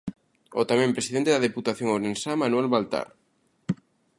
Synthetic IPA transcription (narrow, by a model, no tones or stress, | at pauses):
ot̪amẽmpɾesiðent̪eðaðeput̪aθjoŋowɾensamanwelβalt̪a̰ɾ